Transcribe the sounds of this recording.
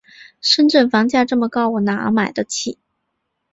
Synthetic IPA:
ʂə˥˧nʈ͡ʂə˥˩nfɑ˧˥ŋt͡ɕja˥˧ʈ͡ʂɤ˥˩mə˩kɑ˥˩ʊwɔ˨˩na˨˩ə̰˧˥ma˨˩ɪd̪ə˦t͡ɕʰi˥˩˦

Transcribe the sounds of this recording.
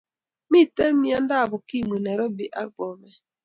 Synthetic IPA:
mi˦˨te˦m̩˦mi˦a˦n̩˦da˦a˨bʊ˨ki˦˨me˨ne˨ɾo˦bi˨ʔa̰˦ɡ͡bɔ˨me˦

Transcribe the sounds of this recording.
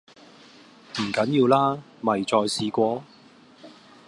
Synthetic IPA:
m̩˨˩kɐ˨˥njiː˧wlaː˥ | mɐ˨jt͡sɔː˧jsiː˧kʷɔː˧

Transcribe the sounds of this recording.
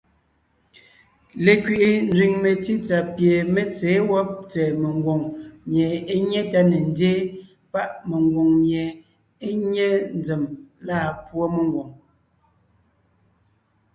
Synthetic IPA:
le˨kɥi˨ʔi˨n˦d͡zɥi˨ŋme˨ti˦t͡sa˨pje˨me˦t͡seː˨˦wɔ˦p̚t͡sɛː˨me˨ŋ˦ɡwo˨ŋmje˨e˦ɲe˦ta˦ne˨n˦dje˦ | pa˦ʔme˨ŋɡwo˨ŋmje˨ | e˦ɲɛ˦n˦d͡ze˨mlaː˦˨pwo˦me˨ŋɡwo˨ŋ

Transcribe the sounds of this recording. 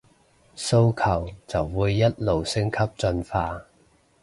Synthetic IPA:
so˥wkʰɐ˨˩wt͡sɐ˨˩wːuː˨˧jːɐ˥t̚lo˨wsɪ˥ŋkʰɐ˥p̚t͡sɵ˧nfaː˧

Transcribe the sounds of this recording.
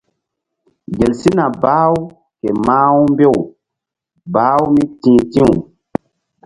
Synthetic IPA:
ɡe˨lsi˦na˨baː˦u˦ | ke˨maː˦u˦mbe˦w | baː˦wu˦mi˦tĩ˨˦tĩ˦wṵ˨

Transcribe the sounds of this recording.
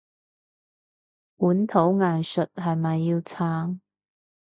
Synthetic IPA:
puː˨˥nt̪ʰo˨˥wŋaː˨nsɵ˨t̚ɦɐ˨jmɐ˨jːiː˧wt͡sʰaː˧˥ŋ

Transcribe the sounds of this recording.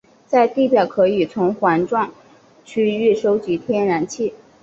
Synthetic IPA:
t͡sa˥˧ɪt̪i˥˩pjɑ˨˩ʊkʰɤ˧˥i˨˩t͡sʰʊ˧˥ŋxwa˧˥nʈ͡ʂwɑ˥˩ŋ | t͡ɕʰy˥˧y˥˩ʂo˥ʊt͡ɕi˧˥t̪ʰjɛ˥nɻa˧˥nt͡ɕʰi˥˩

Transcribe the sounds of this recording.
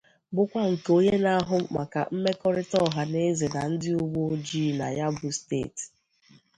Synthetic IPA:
bʊ˦kʷa˦ŋ̩˨ko˦ɲe˦na˦ɦʊ˦ma˨ka̰˨m̩˦me˦kɔ˦ɾɪ˦tɔ˦˨ɦa˨ne˦ze˨na˨n̩˦dɪ˦ʊ˦ɡ͡bo˦d͡ʒi˦˨na˨ja˦bʊ˨stḛ˦˨t

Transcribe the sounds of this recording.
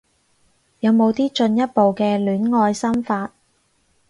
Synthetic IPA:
jɐ˨˧wmo˨˧wt̪iː˥t͡ʃɵ˧njɐ˥t̚po˨wkɛː˧lyː˨˥nŋɔː˧jsɐ˥mfaː˧t̚

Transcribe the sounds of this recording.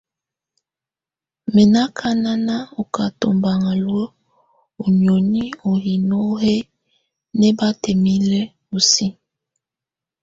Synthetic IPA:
mɛ˨na˦kʰa˦na˦na˦o˨ka˨to̰˨mba˨ŋa˨lwə˦ | o˨n˨o˨ni˦o˨hi˨no˦ɦe˦ | nɛ˦ba˦tɛ˨mi˦lɛ˦ | o˨si˦

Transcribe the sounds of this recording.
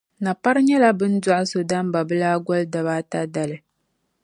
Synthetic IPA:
na˨pa˦ɾɲɛ˦la˦bɨ˦n˦da˦ʔa˦so˨da˦m˦ba˨bɨ˦laː˦ɡʷɔ˦lɨ˦da˨βa˦ta˦da˨lɨ˨

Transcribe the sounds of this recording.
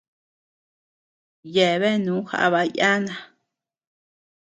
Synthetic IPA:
je˨βe˦nũː˨˦xa̰˧ʔa˧βa˧ja˦nã˨

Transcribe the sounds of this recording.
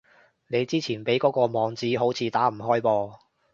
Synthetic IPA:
ne˨˧jt͡siː˥t͡sʰiː˨˩npe˨˥jkɔː˨˥kɔː˧mɔː˨˧ŋt͡siː˨˥ɦo˨˥wt͡sʰiː˨˥t̪aː˨˥m̩˨˩ɦɔː˥jpɔː˧

